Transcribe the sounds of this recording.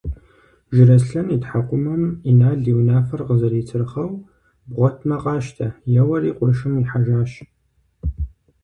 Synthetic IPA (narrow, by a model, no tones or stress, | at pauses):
ʒɪɾɐsɬɐnitħaqʷʼʊmɐminaːɮiwnaːfɐrqəzɐɾiːt͡sʰɨrχɐw | bʁʷɔtʰmɐqɑːʃtʰɐjɛwɐɾiːqʷʼʊʃɨmiħaʒaːʃ